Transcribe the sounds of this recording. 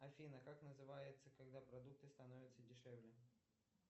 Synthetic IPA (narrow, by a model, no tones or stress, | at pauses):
ɐfʲinəkaknəzɨvajɪt̪səkɐɡd̪apɾɐd̪uk̚t̪ɨst̪ɐnovʲɪt̪sədʲɪʂɛvlʲɪ